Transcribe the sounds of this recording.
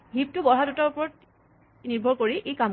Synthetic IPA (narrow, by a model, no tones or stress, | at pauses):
ɦip̚tubɔɹɦadutɔɹpɔɹɔt̚ | niɹbʱɔɹkoɹiʔejkam